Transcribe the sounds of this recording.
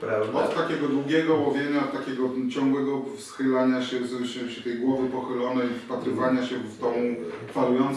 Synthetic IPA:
ɾaɔt̪t̪ːakʲɛɡɔd̪ɾuɡʲɛɡɔwɔvʲjeɲaɔt̪t̪akʲɛɡɔt͡ɕɔ̃ŋɡwɛɡɔfsxɘlaɲaɕɛsɛpʂɘt̪ɛjɡwɔvɘpɔxɘlɔnɛjifpat̪ɾɪvaɲaɕɛvd̪ɔ̃m̃falujɔnt̪s

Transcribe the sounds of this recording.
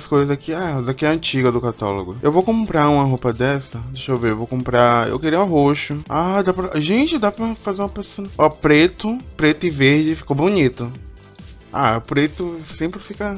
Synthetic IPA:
skojzɐzakiazakiɐɐ̃t͡ʃiɡɐd̪ʊkat̪a̰lo̰ɡʊewvowkõpɾaũmɐɦopɐd̪ɛsɐd̪eʃowveewvowkõmpɾaḛwkeɾiɐɦoʃʊad̪apɾɐʒẽt͡ʃɪd̪apɾɐfazeɾũɐpesonɐɔpɾet̪ʊpɾet̪ʊɪveɾd͡ʒɪfi̥kowbonit̪ʊ | a̰ʊpɾet̪ʊsẽpɾɪfikɐ

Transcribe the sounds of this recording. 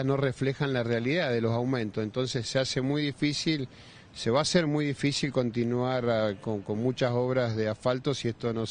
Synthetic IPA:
no̞reflexanlarealiðaðelo̞sawmẽnt̪osent̪o̞nsesːeasemujðifisil | seβaːseɾmujðifisilko̞nt̪inwaɾkoŋko̞nmut͡ʃaso̞β̞ɾazðeafalt̪osiest̪o̞no

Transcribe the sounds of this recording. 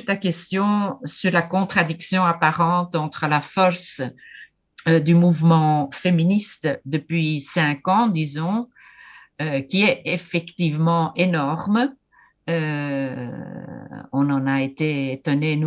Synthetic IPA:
t̪akɛst̪jɔ̃syʁlakɔ̃t̪χad̪iksjɔ̃apaʁɑ̃t̪ɑ̃t̪χəlafɔʁs | ød̪ymuvmɑ̃feminist̪d̪əpɥisɛ̃kɑ̃d̪izɔ̃ | økʲiɛefɛkt̪ivmɑ̃ʔenɔʁm | ø | ɔ̃nɑ̃naet̪eet̪ɔnen

